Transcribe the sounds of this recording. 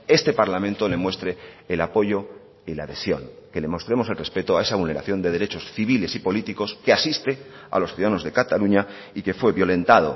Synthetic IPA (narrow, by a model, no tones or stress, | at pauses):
e̞st̪e̞paɾlamẽ̞nt̪o̞le̞mwe̞st̪ɾe̞ː | lapo̞ʝo̞ | ilaðe̞sjo̞̰ŋke̞le̞mo̞st̪ɾemo̞se̞lre̞spe̞t̪oae̞saβulne̞ɾa̰θjo̞nd̪e̞ð̞eɾe̞t͡ʃo̞sθiβ̞ile̞sipo̞lit̪iko̞ske̞asist̪e̞ | a̰lo̞sθjuðaðano̞zðe̞kat̪aluɲa | ike̞fwe̞βjo̞lẽ̞nt̪aðo̞̰